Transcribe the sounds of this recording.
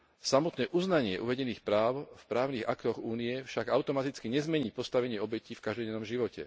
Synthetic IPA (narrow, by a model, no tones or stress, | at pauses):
samɔt̪nɛːʔuznaɲɪɛʔṵʋɛɟɛniːxpɾaːʊfpɾaːʊniːɣakt̪ɔɣuːnijɛfʃaɡaʊt̪ɔmat̪it͡skiɲɛzmɛɲiːpɔst̪aʋɛɲɪɛɔbɛciːfkaʒd̪ɔɟɛnɔmʒiʋɔcɛ̰